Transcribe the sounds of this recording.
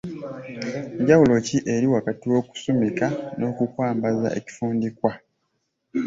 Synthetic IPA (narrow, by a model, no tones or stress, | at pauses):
ɲɟawulo̞ciʔeɾiwakatiwo̞ːku̥somikano̞ːkukwaːmbaza̰ʔe̞̰ci̥fuːndikwa